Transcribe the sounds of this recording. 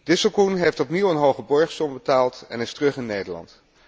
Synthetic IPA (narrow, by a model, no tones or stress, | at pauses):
d̥ɪsəlˠkunɦejftɔpniwənɦowχəbɔɹχsɔmbətaːlˠtɛ̰nɪstərɵχɪnːejdəɹlɑ̰nt